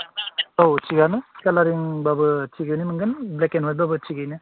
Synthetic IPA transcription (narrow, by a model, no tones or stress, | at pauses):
owt͡ʃʰiɡanɯkalaɾiŋbabɯt͡ʃʰiɡɯjnimɯŋɡɯnblekenɦojbabɯt͡ʃʰiɡɯjnɯ